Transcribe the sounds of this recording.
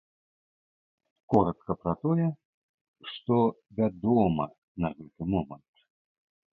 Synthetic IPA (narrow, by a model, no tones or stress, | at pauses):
kɔɾɐt̪kɐpɾɐt̪ɔjɛ | ʂt̪ɔ | vʲad̪ɔmɐ̰ | nɐɣɛt̪ɨmɔmɐnt̪